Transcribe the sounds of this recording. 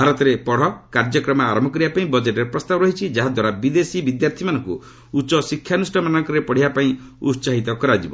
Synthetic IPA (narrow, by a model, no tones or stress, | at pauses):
bʱaɾɔt̪ɔɾepɔɽ̤ɔkaɾd͡ʒɔkɾɔmaaɾɔmbʱɔkɔɾibapaĩbɔd͡ʒeʈeɾpɾɔst̪abɔɾɔɦit͡ʃʰid͡ʒaɦad̪waɾabid̪esibid̪jaɾt̪ʰimanɔ̃ŋkṵ | ut͡ʃɔsikʰːjanusʈɔmanɔŋkɔɾepɔɽ̤ibapaĩ | ṵtsaɦit̪ɔkɔɾad͡ʒibɔ